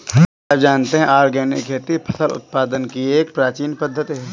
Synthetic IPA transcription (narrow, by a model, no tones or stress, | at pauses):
ad͡ʒaːnt̪eɦɛ̃ʔaːɾɡɛːnɪkʰːeːt̪ipʰɐ̥səlʊ̰t̪̚paːd̪ənkieːk̚pɾaːt͡ʃiːnpəd̪ʱːət̪iɦɛ